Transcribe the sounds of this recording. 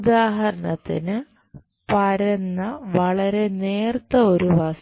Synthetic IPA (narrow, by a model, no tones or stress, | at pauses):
ud̪aːɦɐɾɐɳɐt̪ːḭnɨ | pɐɾɐnːɐʋɐɭɐɾe̞neːrt̪ːɐo̞ɾuʋɐs